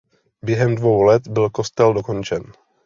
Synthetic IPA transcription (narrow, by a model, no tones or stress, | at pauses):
bjɛɦɛmdvowlɛt̪bɪlkost̪ɛldoko̞nt͡ʃɛn